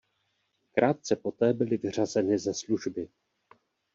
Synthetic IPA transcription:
kɾʔaːt̪̚t͡sɛpo̞t̪ɛːbɪlɪvɪr̝azɛnɪzɛsluʒbɪ

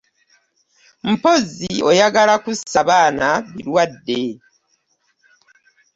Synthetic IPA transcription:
m̩po̞zio̞jaɡalakusaβaːnaβiɾwadːe̞

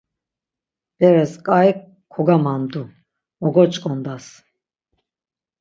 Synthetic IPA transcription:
b̥ɛɾɛskʼajkʰː | ɔɡamand̪u | mɔɡɔt͡ʃʼkʼɔnd̪as

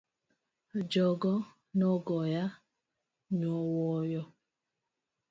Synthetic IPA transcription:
d͡ʒɔɡɔ | nɔɡɔja | ɲɔwɔjɔ

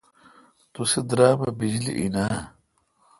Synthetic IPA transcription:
t̪usid̪ɾaːbɐbid͡ʑlḭʔinaː

